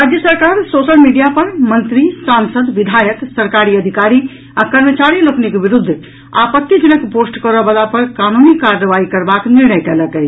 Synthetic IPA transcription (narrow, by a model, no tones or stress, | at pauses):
ɾad͡ʒjəsəɾkaɾsosəlmiɖijapəɾmənt̪ɾisansəd̪ʋid̪ʱajəksəɾkaɾiəd̪ʱikaɾi | akəɾmət͡ʃaɾiloknikbiɾud̪ʱː | a̰pət̪ːəd͡ʒinəkposʈkəɾəbəlapəɾkanunikaɾːəʋaikəɾbakniɾnəjkɛləkɛ